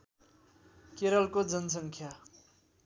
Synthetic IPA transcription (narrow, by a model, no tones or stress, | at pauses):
keɾʌlkod͡zʌnsʌŋkʰja